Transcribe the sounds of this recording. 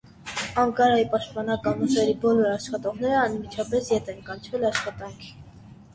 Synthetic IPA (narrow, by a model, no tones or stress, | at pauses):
ɑŋkɑɾɑjipɑʃt̪̚pɑnɑkɑnuʒɛɾibɔlɔɾɑʃχɑt̪ɔʁnɛɾəɑnmit͡ʃʰɑpɛsjɛt̪ʰɛnkɑnt͡ʃʰvɛlɑʃχɑt̪ɑŋkʰi̥